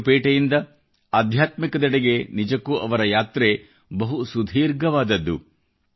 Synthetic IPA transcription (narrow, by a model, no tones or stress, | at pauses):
peːʈɐjind̪ɐ | aːd̪ʱjaːt̪mikɐd̪ɛɽeɡe̞nid͡ʒɐkːuʔɐʋɐɾɐjaːt̪ɾe | bɐɦusud̪ʱiːɾɡɐʋaːd̪ɐd̪ːu